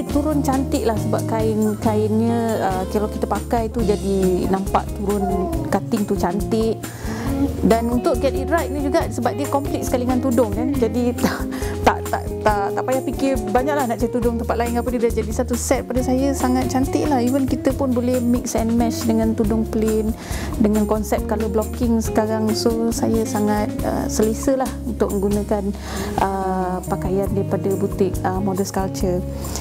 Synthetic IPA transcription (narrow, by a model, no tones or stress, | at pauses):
t̪uɾʊnt͡ʃant̪ɪʔlahsəbap̚kaɪnkaɪnɲə̃əkəlawkit̪əpakajt̪ud͡ʒadinampa̰ʔt̪uɾʊnkat̪ɪŋt̪ut͡ʃant̪ɪʔ | danunt̪ʊʔ̚kiat̪iɾajt̪̚nĩd͡ʒuɡaʔsəbap̚diəkɔmplɪk̚sə̥kaliŋant̪udʊŋdand͡ʒadit̪at̪a̰ʔt̪a̰ʔt̪aʔt̪aʔpajahpikɪrbaɲak̚lahnaʔt͡ʃaɾit̪udʊŋt̪əmpat̪̚laɪnapədidand͡ʒadisat̪usɛt̪̚padəsajəsaŋat̪̚t͡ʃant̪ɪʔlahivənkit̪əpʊnbolɛhmɪk̚sɛnmɛt͡ʃdəŋãnt̪udʊŋplen | dəŋankɔnsɛp̚t̪̚kaloblokɪŋsə̥kaɾaŋsosajəsaŋat̪̚ə̰səlesəlahunt̪ʊk̚mə̃ŋɡunə̃kan | ʔəpakajandaɾipadabut̪ɪk̚əmodəskalt͡ʃər